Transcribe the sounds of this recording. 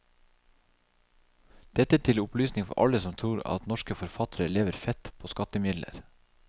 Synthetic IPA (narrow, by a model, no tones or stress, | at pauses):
d̪̥ɛt̪ət̪ʰɪlʊplyːsnɪŋfɔ̰ʔɑ̰ləsɔmt̪ʰɾuːɾɑ̰t̪nɔʃkəfɔɾfɑt̪ʰəɾəleːʋəɾfɛt̪pʰoːskɑt̪əmɪd̪lʔə̰ɾ